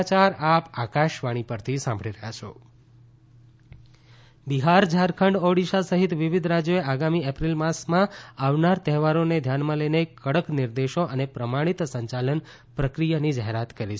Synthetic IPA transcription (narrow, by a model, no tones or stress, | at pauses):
t͡ʃaɾapakaʃʋaɽ̃ipəɾt̪ʰisãmbʱəɭiɾəɦjat͡ʃʰo̰ | biɦaɾd͡ʒʱaɾkʰəɳɖɔɽiʃasəɦit̪ʋiʋid̪ʱɾad͡ʒjoeaɡamiɛpɾilmasmãaʋnaɾt̪əɦɛʋaɾoned̪ʱjanmãlenekːəɽəkniɾd̪eʃoʔənepɾəmaɽ̃it̪səɲt͡ʃalən | pɾəkɾijanid͡ʒaɦeɾat̪kəɾit͡ʃʰ